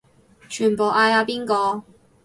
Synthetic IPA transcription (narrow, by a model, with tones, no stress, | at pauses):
t͡ʃʰyː˨˩npo˨wʔaː˧jaː˧piː˥nkɔː˧